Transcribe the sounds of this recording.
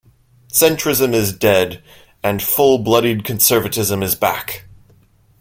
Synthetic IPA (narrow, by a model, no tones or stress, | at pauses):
sɛ̃nt͡ʃɹ̥ɨzɨ̃mɪzdɛd | ɨ̃nfʊlˠblʌɾid̚kʰɨ̃n̩sɜ˞vɨɾɪzə̃mɨzbæ̰k